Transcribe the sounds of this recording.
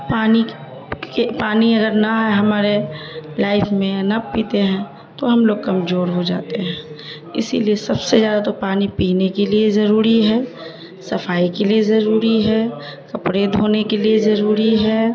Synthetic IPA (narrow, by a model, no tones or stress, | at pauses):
paːni | kepaːniɐɡəɾnaɦɛɦɐmaːɾelaːɪpʰmẽnɐpiːt̪eɦɛ̃ː | t̪oɦɐmloːɡ̚kɐmzoːɾɦod͡ʒa̰ːt̪eɦɛ̃ː | ɪ̰sḭliesɐbsezjaːd̪at̪opaːnipiːnekeliezɐɾuːɾiɦɛː | sɐfaːikeliezɐɾuːɾiɦɛkɐpɾed̪ʱoːnekeliezɐɾuːɾiɦɛː